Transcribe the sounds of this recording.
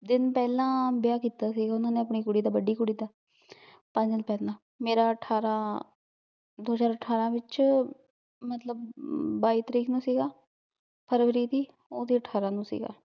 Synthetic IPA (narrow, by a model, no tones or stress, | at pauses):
d̪ɪnpɛːlãːbɪjaːkiːt̪aːsiːɡaːʊnãːnẽːəpɳiːkʊɽiːd̪aːbəɖiːkʊɽiːd̪aː | pə̃ɲd͡ʒɪlpɛːlãː | meːɾaːəʈʰaːɾãː | d̪oːzaːɾəʈʰaːɾãːʋɪt͡ʃ | mət̪ləbːaːiːt̪əɾiːkʰnũːsiːɡaː | pʰəɾʋəɾiːt̪iː | oːd̪iːəʈʰːaːɾãːnũːsḭːɡa̰ː